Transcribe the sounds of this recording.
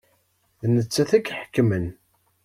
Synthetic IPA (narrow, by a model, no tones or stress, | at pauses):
ðnət͡sːæθækħə̥kːmən